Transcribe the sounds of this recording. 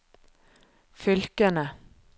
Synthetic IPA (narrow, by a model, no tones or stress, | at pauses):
fʏlkənə